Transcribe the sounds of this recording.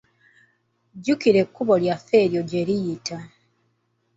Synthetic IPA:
ɟukiɾe̞kːuβo̞ljafːe̞ːɾjo̞ɟe̞ɾijita

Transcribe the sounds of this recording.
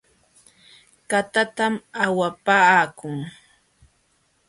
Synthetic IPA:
kat̪at̪amawapaːkʊŋ

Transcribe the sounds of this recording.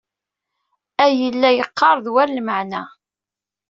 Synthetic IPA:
æjəlːæjəqːɑɾˤðwællməʕnæ

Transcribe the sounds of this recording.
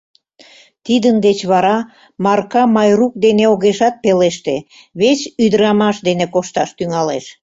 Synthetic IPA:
t̪id̪ənd̪et͡ɕβɑɾɑ | mɑrkɑmɑjruk̚d̪eneoɣeʃɑt̪̚peleʃt̪e | βet͡ɕyd̪əɾɑmɑʃd̪enekoʃt̪ɑʃt̪yŋɑlḛʃ

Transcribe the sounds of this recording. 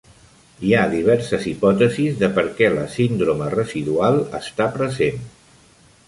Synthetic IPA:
iaðiβ̞ɛɾsəzipɔt̪əzizðəpəɾkɛləsind̪ɾomərəziðualˠə̰st̪apɾəzen

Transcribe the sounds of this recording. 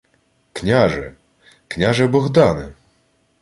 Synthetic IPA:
kɲaʐɛ̰ | kɲaʐɛbɔɣd̪anɛ̰

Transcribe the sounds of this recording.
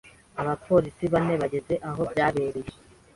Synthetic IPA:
aβapʰo̞ːɾisiβane̞βaɟe̞ze̞ʔaɦo̞bɟaːβe̞ːɾeje

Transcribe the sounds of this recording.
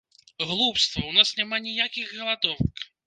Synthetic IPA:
ɣlˠupst̪vɐwnasnʲamanʲijakʲiɣɣɐlˠad̪ɔnk

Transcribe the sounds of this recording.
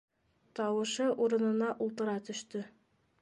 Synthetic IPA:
t̪ɒwɤ̆ʃɤʔuɾɤ̆nɤ̆nɑʔulˠt̪ɤ̆ɾɑt̪ɵ̆ʃt̪ɵ

